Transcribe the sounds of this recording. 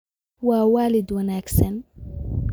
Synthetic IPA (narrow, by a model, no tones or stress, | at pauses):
wawaːlɪd̪wanaːksan